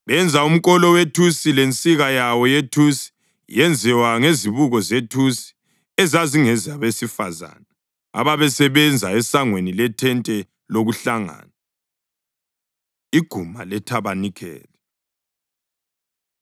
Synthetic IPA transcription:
βɛnd͡zʱaum̩kʼɔlɔwetʰusilent͡sʼiɣajawɔjetʰusi̥ | jɛnd͡zʱɛwaŋeziβuɣɔzetʰusi̥ | ɛzaziŋɛzaβesifaza̰na | a̰βaβɛsɛβɛnd͡zʱaɛsaŋwenilɛtʰɛntʼɛ | loɣuɬaŋa̰ːna | iɡ̥ʱuma̰lɛtʰaβanikʰɛ̰ːlɛ

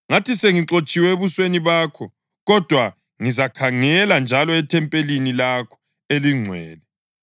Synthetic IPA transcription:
ŋatʰiseŋiǁot͡ʃʼiwɛeβusweniβaːkʰɔ | ɣɔd̥ʱwa | ŋizakʰaŋɛland͡ʒʱalɔɛtʰɛmpʼelinilakʰɔ̥ | eliŋ͡ǀʱwɛːlɛ

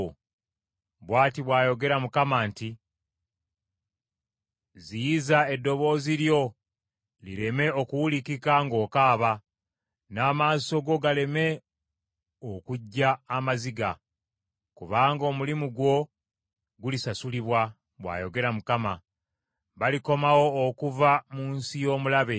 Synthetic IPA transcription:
βwaːtiβwaːjo̞ɡe̞ɾamukamaːnti | zijizae̞dːo̞βo̞ːziɾjo̞ | lḭɾe̞me̞o̞kuwulikikaŋɡo̞ːkaːβa | naːmaːso̞ɡo̞ɡale̞me̞ | okuɟːaːmaziɡa | kuβaːŋɡo̞ːmulimuɡwo̞ | ɡulisasuliβwa | βwa̰ːjo̞ɡe̞ɾamukama | βaliko̞mawo̞ːkuvamuːnsijo̞ːmulaβe̞

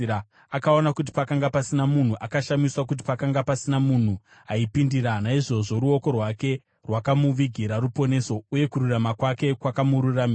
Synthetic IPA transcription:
a | akao̞nakut̬i̥pakaŋɡapasinamun̤uʔakaʃamiswak̬ut̬i̥pakaŋɡapasinamun̤u | ɦaipindiɾanaiʐo̞ʐo̞ɾuo̞ko̞rwake̞ | rwakamuʋiɡʱiɾaɾupo̞ne̞so̞uje̞kuɾuramakwake̞kwakamuɾurami

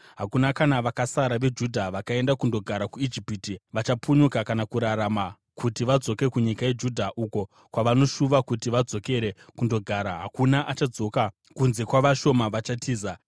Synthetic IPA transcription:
ɦakunakanaʋakasaɾaʋe̞d͡ʒudʱaʋakae̞ndakundo̞ɡʱaɾakuid͡ʒipiːtiʋat͡ʃapʰuɲukakanakuɾaɾama | kʰutiʋad͡zo̞ke̞kuɲikaje̞d͡ʒudʱaʔuko̞ | kwaʋano̞ʃuʋakutiʋad͡zo̞ke̞ɾe̞kundo̞ɡʱaːɾaɦakunaʔat͡ʃad͡zo̞ka | kunze̞kwaʋaʃo̞maʋat͡ʃatʰiːza

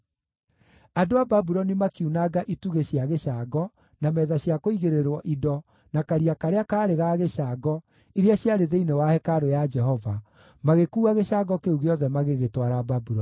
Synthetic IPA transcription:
adoababuɾɔnimakiunaɡaʔituɣeɕjaɣeɕaːɡɔ | namɛːðaɕjakoiɣeɾeɾwɔʔidɔ | nakaɾiakaɾeakaːɾeɣaɣeɕaːɡɔ | iɾeaɕjaɾeðeinewahɛkaɾojad͡ʒɛɦɔva | maɣekuːɣaɣeɕaɡɔkeuɣeɔðɛmaɣeɣetwaɾababuɾɔ

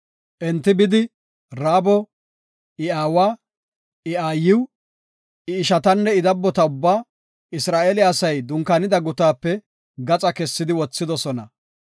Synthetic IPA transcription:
ʔɛnt̪ːɪbɪd̪ɪ | ɾaːbɔ | ɪaːwaː | ʔɪʔaːjɪw | ɪːʃɐt̪ɐnːɛɪd̪ɐbːɔt̪ɐʊbːaː | ɪsɾaːʔeːlɪɐsɐjd̪ʊŋkanɪd̪ɐɡʊt̪aːpːɛ | ɡɐt͡sʼɐkɛsːɪd̪ɪwɔt͡sːɪd̪ɔsɔnɐ

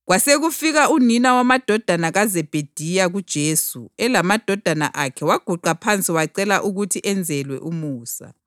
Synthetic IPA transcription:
ɣwaseɣufiɣauninawamad̥ʱɔd̥ʱanaɣazɛb̥ʱed̥ʱijaɣud̥ʒ̥ʱeːsuɛlamad̥ʱɔd̥ʱana̰ʔakʰɛwaɡ̥ʱuǃapʰant͡sʼiwaǀɛlaʔuɣutʰiʔɛnd͡zʱɛlwɛ̰ʔumuːsa̰

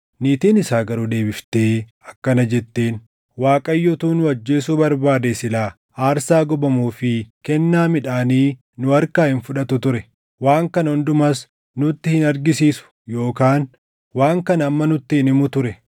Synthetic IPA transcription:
niːt̪iːnɪsaːɡɐɾuːd̪e̞ːbɪft̪e̞ː | ɐkːɐnɐd͡ʒɛt̪ːe̞ːn | waːkʼɐjːɔt̪uːnʊɐd͡ʒːe̞ːsuːbɐɾbaːd̪eːsɪlaː | aːɾsaːɡɔbɐmuːfɪkɛnːaːmɪᶑaːniː | nʊɐɾkaːhɪnfʊᶑɐt̪ʊt̪ʊɾɛ | waːŋkɐnɔnd̪ʊmɐs | nʊt̪ːɪhɪnɐɾɡɪsiːsʊ̥ | jo̞ːkaːn | waːŋkɐnɐɐmːɐnʊt̪ːɪhɪnɪmʊt̪ʊɾɛ

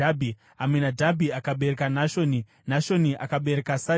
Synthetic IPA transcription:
abʱi | amwenadʱabʱiakaɓe̞ɾekanaʃoni | naʃo̞niʔakaɓe̞ɾekasa

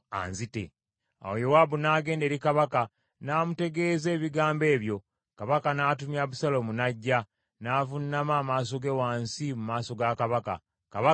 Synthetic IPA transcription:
a̰nzitḛ | a̰wojowabunaɡe̞ːnde̞ɾikaβaka | naːmute̞ɡe̞ːze̞ːβiɡaːmbe̞ːβjo̞ | kaβakanaːtumjaβusalomunaɟːa | naːvunːamaːmaːs̬o̞ɡe̞waːnsimumaːso̞ɡakaβaka̰ | kaβa

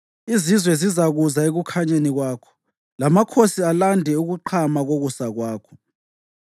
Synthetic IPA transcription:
izizwɛzizaɣuzaeɣukʰaɲeniɣwaːkʰɔ̥ | lamakʰosialandʱɛuɣuǃʰamaɣoɣusaɣwaːkʰɔ̥

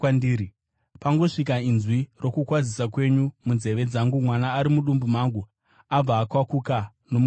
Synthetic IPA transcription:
andiːɾi | paŋɡo̞ʂikainzwiro̞kukwad͡zisakwe̞ɲumunze̞ʋe̞d͡zaŋɡumwanaːɾimuɗumbumaŋɡu | ab͡vaːkwakuka | no̞mu

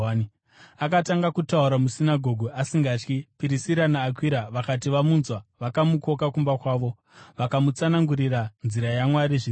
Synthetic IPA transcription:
akataŋɡakutauɾamusinaɡʱo̞ɡʱuʔasiŋɡaːt͡ʃkipiɾisiɾanaːkwiɾaʋakatiʋamunzwaʋakamuko̞kakumbakwaːʋo̞ | ʋakamut͡sanaŋɡuɾiranziɾajamwaɾiʐi

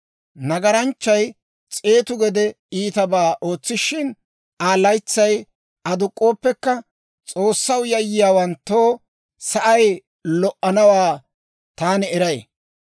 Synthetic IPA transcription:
nɐɡɐɾɐnt͡ʃːɐj | t͡sʼe̞ːt̪ʊɡɛd̪ɛ | iːt̪ɐbaːʔo̞ːt͡sːɪʃɪn | aːlɐjt͡sːɐj | ɐd̪ʊkʼːoːpːɛkːɐ | t͡sʼo̞ːsːɐwjɐjɪjaːwɐnt̪ːoː | sɐʔɐj | lɔʔːɐnɐwaː | t̪aːnɪɛɾɐj̰

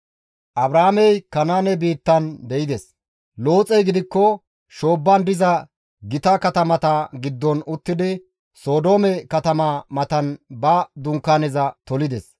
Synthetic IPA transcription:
ʔɐbɾaːmɛjkɐnaːnɛbiːt̪ːɐnb̪ɛɪd̪ɛs | lo̞ːt͡sʼɛjɡɪd̪ɪkːɔ | ʃo̞ːbːɐnd̪ɪzɐ | ɡɪt̪ɐkɐt̪ɐmɐt̪ɐɡɪd̪ːɔnʊt̪ːɪd̪ɪ | so̞ːd̪o̞ːmɛkɐt̪ɐmɐmɐt̪ɐnbɐd̪ʊŋkːaːnɛzɐt̪ɔlɪd̪ɛs

